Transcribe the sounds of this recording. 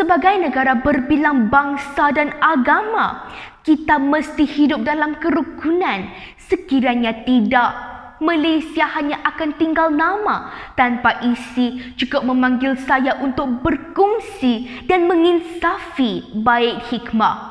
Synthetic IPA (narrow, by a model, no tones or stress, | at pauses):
səbaɡajnəɡaɾabərbilaŋbaŋsadanaɡama̰ | kit̪aməst̪ihidʊp̚dalamkəɾukunãnsəkiɾaɲat̪idaʔ | mãlajsiahaɲaʔakant̪iŋɡalnãmãt̪anpaʔisid͡ʒukʊʔ̚mə̃mãŋɡɪlsajaʔunt̪ʊk̚bərkuŋsi | danməŋinsafibaɪk̚hikmah